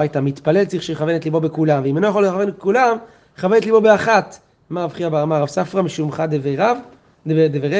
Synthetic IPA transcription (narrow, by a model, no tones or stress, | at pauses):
ajt̪amit̪pale̞lt͡siχʃiχavenet̪libo̞bekulamveimenojaχolχavenetkulam | χave̞netlibo̞be̞aχat̪ | maːvχiabeamaʁavsafʁamiʃumχad̪eveʁav | d̪eveʁe